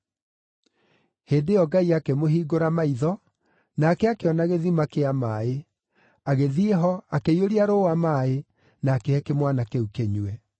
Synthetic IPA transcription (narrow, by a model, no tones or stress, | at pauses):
heːdejɔɡaiakemohiːɡoɾamaiðɔ | naːkɛakeɔnaɣeðimakeamaːe | aɣeðieɦɔakeioɾiaɾoamae | naːkeɛkemwanakeukeɲwɛ